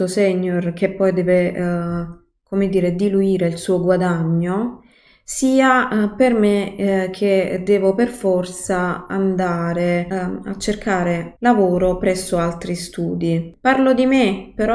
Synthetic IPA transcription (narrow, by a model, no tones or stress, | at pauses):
osɛɲːork̟epːɔjd̪ɛːve | komed̪iːɾed̪iluiːɾeilsuːoɡwad̪aɲːo | siːapermekʰːed̪ɛːvoperfɔrt̪saa̰nd̪aːɾea̰t͡ʃːerkaːɾelavoːɾopɾɛsːoalt̪ɾist̪uːd̪iparlod̪imepeɾɔ